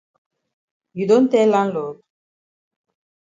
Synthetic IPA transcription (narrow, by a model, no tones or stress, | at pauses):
jid̪ont̪ɛlanlot̪̚